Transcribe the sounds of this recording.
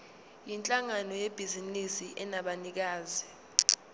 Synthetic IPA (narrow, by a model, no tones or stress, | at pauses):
jint͡ɬʼaŋanɔjeb̥ʱizinisiʔɛnaɓanik̬aːzi